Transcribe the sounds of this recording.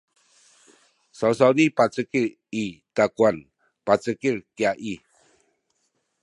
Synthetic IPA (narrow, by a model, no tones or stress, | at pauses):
saws̬awnipat͡səkiɾ | itakuan | pat͡səkiɾkiaʔi